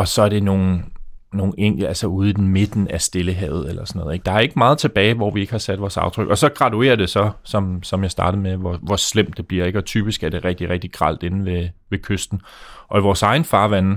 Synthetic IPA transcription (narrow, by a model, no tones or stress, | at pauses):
ɒ̽sɒ̽æɐd̥e̝no̝ːn̩no̝ːn̩eŋ̰ɡ̥l̩ælsɐuːð̞ˠid̥eme̝d̥n̩æsd̥e̝ləɦɛ̰ːʊð̞̩ˠelɐsɒnɔ̽ð̩ˠeɡ̥̚d̥ɑ̈æɐe̝ɡ̥əmɑ̈ːð̞̩ˠt͡sʰe̝b̥ɛːɪʋɒ̰ʋie̝ɡ̥hɑ̈sæd̥ʋɒːsɑ̈ʊt͡sʰʁœɡ̥ɒ̽sɒ̽ɡ̥ʁɑ̈t͡sʰue̝̰ːɐd̥e̝sɒ̽sɒ̽msɒ̽mjɑ̈ɪsd̥ɑ̈ːd̥ð̩ˠmeʋɒʋɒslem̰d̥ːe̝b̥liɐ̰e̝ɡ̥ɒ̽t͡sʰyːb̥isɡ̥æɐd̥e̝ʁɛɡ̥̚d̥iʁɛɡ̥̚d̥iɡ̥ʁɑ̰̈l̰d̥e̝nn̩ʋe̝ʋe̝kʰøsd̥n̩ʔɒ̽iʋɒːsɑ̈ɪn̩fɑ̈ːʋæn